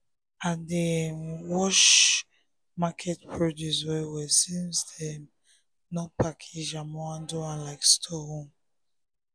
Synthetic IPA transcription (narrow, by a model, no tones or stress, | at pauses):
adewɔʃ | makʰɛt̚pʰɹɔdjuswɛwɛsĩnsdɛ | nɔpʰakʰid͡ʒãmɔãndoãnlaɪkstʰɔhõm